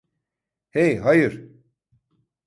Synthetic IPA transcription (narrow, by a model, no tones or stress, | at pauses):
hejɦajɯɾ